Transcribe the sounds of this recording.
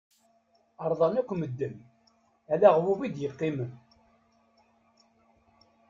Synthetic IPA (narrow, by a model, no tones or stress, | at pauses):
əɾˤðˤɑnækʷːməd̪ːəm | ælæʁwuvid̪jəqːimən